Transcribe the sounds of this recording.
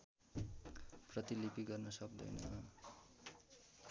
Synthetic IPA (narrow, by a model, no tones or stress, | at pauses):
prʌt̪ilipiɡʌrnʌsʌk̚d̪ʌ̰jnʌ̰